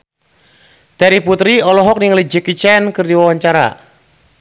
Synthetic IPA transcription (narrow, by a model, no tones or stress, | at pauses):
t̪ɛɾiput̪ɾiɔlɔɦɔk̚niŋəlid͡ʒəkit͡ʃɛnkɨrdiwawaɲt͡ʃaɾa̰